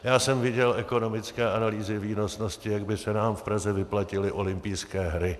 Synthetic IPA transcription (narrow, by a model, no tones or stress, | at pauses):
jaːsɛmvɪɟɛlʔɛko̞no̞mɪt͡skɛːʔanaliːzɪviːno̞t͡sno̞scɪjaɡbɪsɛnaːmfpɾazɛvɪplacɪlɪʔo̞lɪmpijskɛːɦɾɪ